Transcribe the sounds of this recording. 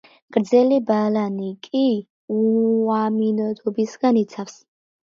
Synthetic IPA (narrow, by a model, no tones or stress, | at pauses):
ɡ̥ɾd̪zɛlibalanikʼi | uaminɔd̪ɔbisɡanit̪sʰafs